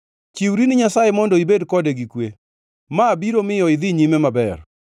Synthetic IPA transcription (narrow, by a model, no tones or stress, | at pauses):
t͡ʃiwɾinɪɲasajemɔndɔibedkɔdeɡikwe | maːbiɾomɪjɔɪd̪iɲimemabɛr